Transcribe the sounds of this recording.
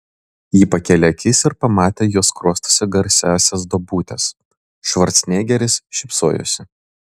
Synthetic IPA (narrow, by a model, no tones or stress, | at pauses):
jiːpɐkʲɛlʲɛɐkʲɪsʲɪɾpɐmɑːt̪ʲeːjoːskɾuɔst̪o̥sʲɪɡɐɾʲsʲæːsʲɛs̬d̪obuːt̪ʲɛs | ʃʋɐɾʲt̪sʲnʲeːɡʲɛɾʲɪsʃʲɪpsoːjo̰ːsʲɪ